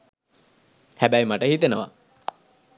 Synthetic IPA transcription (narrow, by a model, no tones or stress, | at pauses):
hæbæjmaʈəhit̪enəʋa̰